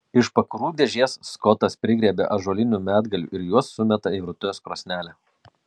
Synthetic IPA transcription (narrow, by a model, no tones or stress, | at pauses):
ɪʃpɐkɾuːd̪ʲɛʒʲiɛsskɔt̪ɐspʲɾʲɪɡʲɾʲiɛbʲḛʔɐʒuɔlʲɪnʲumʲæːd̪ɡɐlʲṵːʔɪɾjuɔsːʊmʲɛt̪ɐiɾʊt̪ʲʊjʲoskɾoːsʲnʲæːlʲɛ